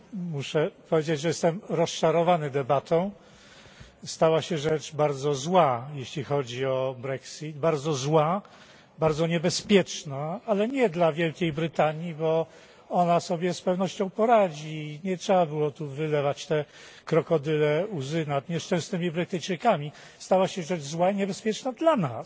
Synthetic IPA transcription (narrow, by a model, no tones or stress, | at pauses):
muʂɛpɔvʲjed͡ʑed͡ʑʐɛjɛst̪ɛmɾɔsʂaɾɔvanɘd̪ɛbat̪ʰɔ̃w̃ | st̪awaɕɛʐɛt͡ʂbaɾd̪zɔzwajeɕlʲixɔd͡ʑiɔbɾɛksid̪baɾd̪zɔzwa | baɾd̪zɔɲɛbɛspʲjɛt͡ʂnaalɛɲɛd̪lavʲjɛlkʲejbɾɘt̪aɲibɔ | ɔnasɔbʲjɛspɛvnɔɕt͡ɕɔ̃w̃pɔɾad͡ʑiɲɛtʂɛbabɘwɔt̪uvɘlɛvat͡ɕt̪ɛ | kɾɔkɔd̪ɘlɛuzɘnad̪ɲɛʂt͡ʂɛ̃snɘmʲibɾɘt̪ɘjt͡ʂɘkamʲi | st̪awaɕɛʐɛd͡ʐzwaiɲɛbɛspʲjɛt͡ʂnad̪lana̰s